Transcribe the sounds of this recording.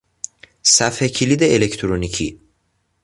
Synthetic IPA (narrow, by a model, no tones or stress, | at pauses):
sæfhecʰilid̪eelecʰt̪ʰɾonicʰḭ